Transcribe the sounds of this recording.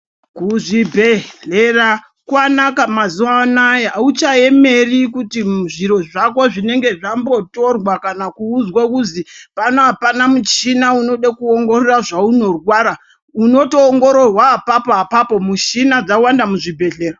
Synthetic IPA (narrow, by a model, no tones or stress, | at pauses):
kuʐibʱeɮera | kwanakamazuwanajeɦaut͡ʃae̞me̞rikutiʐiɾo̞ʐako̞ʐine̞ŋɡe̞ʐambo̞to̞rwakanakuːd͡zwakuzipanoɦapanamut͡ʃinauno̞ɗakuoŋɡo̞reraʐauno̞rwaːɾa | uno̞to̞ːŋɡo̞ɾo̞rwaːpapoapapo̞muʃinad͡zawandamuʐibʱe̞ɮe̞ːra